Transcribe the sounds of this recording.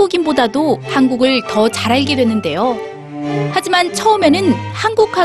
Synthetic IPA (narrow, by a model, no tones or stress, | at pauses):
oɡimbodadohanɡuɡɯɭtʌt͡ɕaɾaɭɡedwe̞nːɯnde̞jo | had͡ʑimant͡ɕʰʌɯme̞nɯnhanɡukʰa